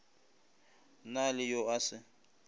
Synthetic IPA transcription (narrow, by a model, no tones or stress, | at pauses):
nalɪjoasɪ